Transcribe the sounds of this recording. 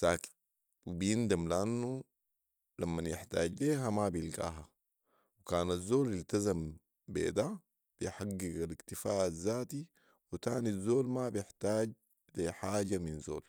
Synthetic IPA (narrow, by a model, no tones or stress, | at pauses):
saːki̥ | wibijind̪amliʔanːu | lamːanjɪħt̪aːɟleːɦamabijilɡa̰ːɦa | wikaːnazːoːljilt̪azam | bḛːd̪a | lijħaɡːiɡalikt̪ifaːʔazːaːt̪i | wit̪aːnizːoːlmabjɪħt̪aːɟ | leħaːɟaminzo̰ːl